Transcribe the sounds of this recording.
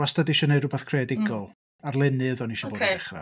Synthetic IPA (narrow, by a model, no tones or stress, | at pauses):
astadiʃɔnejrʊbaθkʰredɪɡɔlˠ | arlˠɛnɨəðɔniʃɔboːdɛχra̰